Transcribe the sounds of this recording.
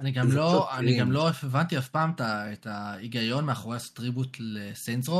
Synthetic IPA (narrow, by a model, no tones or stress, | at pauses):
aniɡamloaniɡamlo̞efevantiafpaːmetaetʰaiɡajo̞nmeaχoʁeastʁibutlesensʁo